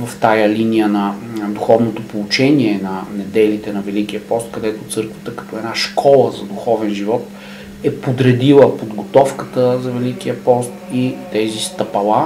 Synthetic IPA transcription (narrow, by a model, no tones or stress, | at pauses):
vɐft̪ajəlinijənɐd̪uxɔvnot̪opolˠut͡ʃɛniɛnɐnɛd̪ɛlit̪ɛnɐvɛlik̟ijəpɔst̪̚kɐd̪ɛt̪ot̪sɤɾkvə̥t̪əkɐ̥t̪ɔɛnaʃkʰɔlˠəzɐd̪uxɔvɛnʒivɔt̪ | ɛpod̪ɾɛd̪ilˠəpod̪ɡot̪ɔfkət̪əzɐvɛlikiəpɔst̪it̪ɛzist̪ɐpɐlˠa